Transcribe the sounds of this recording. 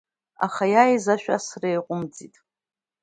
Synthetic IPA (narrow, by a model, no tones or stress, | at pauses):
a̰χajajzaʃᶣa̰srejqʷʼʊmd͡zitʼ